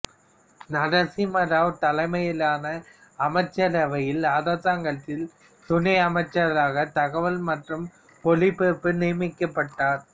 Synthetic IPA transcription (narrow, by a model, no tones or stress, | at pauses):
nɐɽɐsimɐɾaːʋt̪ɐlɐɪmɐjɪlaːnɐ | ɐmɐɪt͡ʃːɐɾɐʋɐjɪlaːðaːtaːŋɡɐɭt̪ːɪl | t̪ʊnɐɪɐmɐɪt͡ʃːɐɾlaːɣɐt̪ɐɣɐʋɐlmɐʈrɯm | pɔɭɪpeːpːɯnɪːmɪkːɐpːɐʈːaːɾ